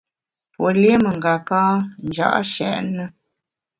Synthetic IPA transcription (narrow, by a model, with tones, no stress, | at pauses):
pwə˨lje˦mə˨ŋɡa˨kaː˦n˦d͡ʒa̰˦˨ʔʃɛ̰˨ʔnə˦